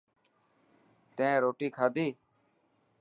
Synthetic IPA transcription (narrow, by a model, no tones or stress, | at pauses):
t̪ẽːɾoːʈiːkʰaːd̪iː